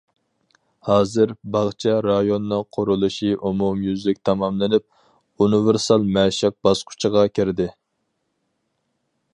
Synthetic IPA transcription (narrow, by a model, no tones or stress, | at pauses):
hɑːzɨɾbɑʁt͡ʃʰɛɾɑjonːɨŋqʰʊɾulˠuʃiʔumumjyzlɪk̚ʲt̪ʰɑmɑmlɪnɪp̚ | univɪɾsɑlˠmɛʃɪq̚b̥ɑsqʰʊ̥t͡ʃʰəʁɑkʲʰɪɾd̪ɪ